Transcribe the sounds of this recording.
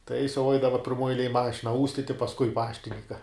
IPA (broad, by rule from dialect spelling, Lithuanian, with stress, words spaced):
tɐ jɪs jɛʊ ˈɐɪdɐʋɐ pʲɪrˈmuɔj ɛɪˈlʲeːj ˈmɑːʃʲɪnɐ ˈuːsʲtʲɪtʲɪ pɐsˈkʊɪ ˈpɑːʃʲtʲɪnʲɪŋkɐ